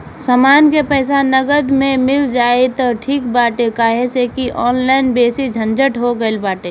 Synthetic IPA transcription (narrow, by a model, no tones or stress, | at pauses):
səmaːnkepɛːs̬anəɡəd̪mẽmɪld͡ʒaːet̪ɔʈʰiːkbaːʈekaːɦesekiʔɔːnlaːɪnbeːsid͡ʒʱə̃nd͡ʒəʈɦoɡəelbaːʈe